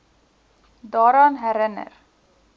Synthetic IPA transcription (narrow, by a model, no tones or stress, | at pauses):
d̪ɑːɾɑnɦæɾənə̰ɾ